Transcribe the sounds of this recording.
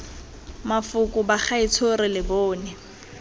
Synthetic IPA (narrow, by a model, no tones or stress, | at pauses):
mafʊkʼʊbaχaɪt͡sʰorɪlɪbɔːnɛ